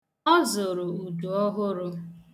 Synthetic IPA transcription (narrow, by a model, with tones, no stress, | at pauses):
ɔ˦zo˨ɾʊ˨u˨du˨ɔ˦ɦʊ˦ɾʊ˦